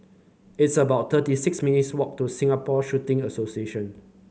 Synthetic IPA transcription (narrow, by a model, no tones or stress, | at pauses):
ɪtsəbaʊt̚t̪ʰətisɪksminitswɔk̚tusĩŋapɔʃutɪ̃ŋəsosieʃə̃n